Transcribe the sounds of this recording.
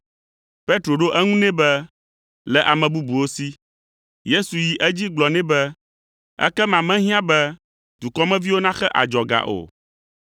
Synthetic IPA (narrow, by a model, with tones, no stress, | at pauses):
pe˦t̪ɾo˨ɖo˦ʔɛ˦ŋũ˦nɛ̃˦bɛ˦ | lɛ˨ʔa˨mɛ̃˨bu˦bu˨wo˦si˦ | je˦su˨ji˨ʔɛ˦d͡ʑi˦ɡ͡blɔ˨nɛ̃˦bɛ˦ | ɛ̰˦kɛ˦mã˨mɛ̃˦ɦĩ˦ã˦bɛ˦ | d̪̥u˨kɔ˦mɛ̃˦vi˦wo˦nã˦xɛ˦ʔa̰˨d͡ʒɔ˨ɡa̰˨ʔo̰˨